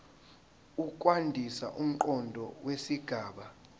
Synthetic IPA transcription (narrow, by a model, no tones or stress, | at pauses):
ukʼwandʱisa̰ʔum̩ǃɔndʱɔwesiɡ̥ʱaːɓa